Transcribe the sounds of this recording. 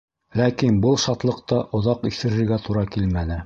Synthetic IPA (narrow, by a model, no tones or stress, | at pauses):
lækinbɤlˠʃɑt̪lˠɤ̆q̚t̪ɑʔŏðɑqiθɘ̆ɾɘ̆ɾɡæt̪uɾɑkilmænɘ